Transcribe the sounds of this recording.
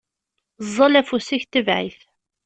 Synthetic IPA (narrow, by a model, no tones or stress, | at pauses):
zˤːɑlæfusiçt̪ːəvʕḭθ